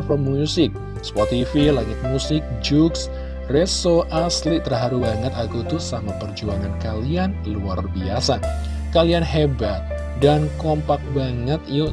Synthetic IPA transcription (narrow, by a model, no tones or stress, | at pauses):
fɔmusɪk̚ | spɔt̪ifilaŋɪt̪̚musɪk̚d͡ʒuks | resoʔaslit̪ərɦaɾubaŋət̪aɡut̪usamapərd͡ʒuaŋankalianiluarbiasa | kalianɦebat̪̚ | dankɔmpak̚baŋət̪i